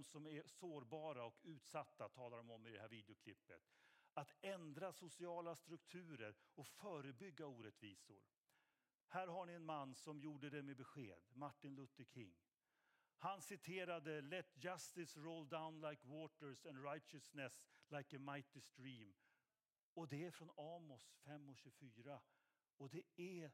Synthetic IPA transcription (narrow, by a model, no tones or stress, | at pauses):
msɔmæsoːɾbɑːɾaɔkʉ̟ːt̪sat̪ːat̪ʰɑːlaɾɔmɔmːɪd̪ɛhæːɾviːd̪ɪʊkʰlɪpːə̰t̪at̪ɛnd̪ɾasʊsɪɑːlast̪ɾɵkt̪ʰʉ̟ːɾəɾɔkfœːɾəbʏɡːauːɾɛt̪viːsʊ̰ɾ | hæːɾɦaɳɪɛnmanːsɔmjuːɖəd̪ɛmebɛɧḛːd̪maʈːɪnlɵt̪ːəɾkʰɪ̰ŋː | hansɪt̪ʰeːɾad̪əlɛt̪ːjast̪ɪsɾold̪aʊnlajkwoːt̪əɾsɛnɾajtt͡ʃəsnɛslajkəmaɪt̪ɪst̪ɾiːm | ɔd̪ɛæɾfɾɔnɑːmɔsfɛmːɔɕʉːfyːɾa | ɔd̪ɛæ